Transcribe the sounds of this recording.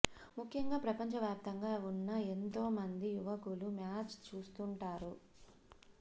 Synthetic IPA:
mukʰjɐŋɡaːpɾɐpɐɲt͡ʃɐʋjaːp̚t̪ɐŋɡaːunːɐent̪o̞ːmɐnd̪ijuʋɐkulumjaːt͡ʃt͡ʃuːst̪uɳʈaːɾu

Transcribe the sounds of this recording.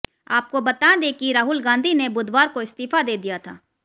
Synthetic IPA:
aːp̚kobɐt̪ad̪ekiɾaːɦʊlɡãːnd̪ʱinebʊd̪ʱwaːɾkoɪst̪iːfad̪eːd̪ijat̪ʰa̰ː

